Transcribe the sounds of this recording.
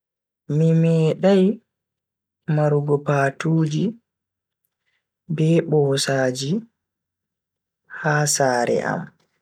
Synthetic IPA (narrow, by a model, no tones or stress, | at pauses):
mimɛːɗaj | maɾuɡɔpaːtuːd͡ʒi | bɛːɓɔːsaːd͡ʒi | haːsaːɾɛ̰ʔa̰m